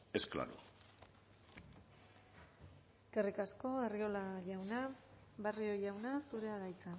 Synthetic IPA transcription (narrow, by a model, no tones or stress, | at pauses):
eskla̰ɾṵ | e̞ske̞rikasko̞ario̞laʝawnaβario̞jawnasuɾe̞aɣajt͡sa